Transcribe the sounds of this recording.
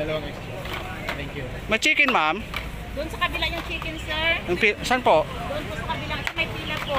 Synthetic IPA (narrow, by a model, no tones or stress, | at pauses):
ɐlɐɛks | t̪ɛŋkju | mɐt͡ʃiːkɪnmam | d̪ʊʔonsɐkɐbɪlajʊŋt͡ʃiːkɛnsɛɹjɐŋpisanpoʔd̪ʊʔonposɐkɐbɪlaŋsɐmɐjpiːnɐpo